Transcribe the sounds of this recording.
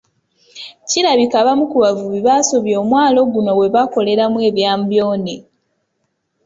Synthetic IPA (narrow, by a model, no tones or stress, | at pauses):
ciɾaβikaβamukuβavuβiβaso̞βjo̞ːmwaːlo̞ɡuno̞we̞βako̞le̞ɾamwe̞ːβjaːmbjo̞ːne